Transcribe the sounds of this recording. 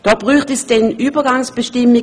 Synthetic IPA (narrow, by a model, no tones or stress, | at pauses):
d̥ɔːb̥ʁyːχtɛsd̥ɛnʔyːbɐɡaŋsb̥əʃtɪmɪ